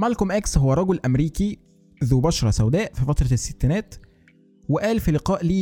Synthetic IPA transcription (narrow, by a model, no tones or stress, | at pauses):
mælkomʔæksɦowːæɾˤɑɡolʔæmɾiːki | ðuːbɑʃɾˤɑsæwd̪æːʔfifæt̪ɾˤɑsːe̥t̪ːænæːt̪ | weʔæːlfilɪqɑːʔliː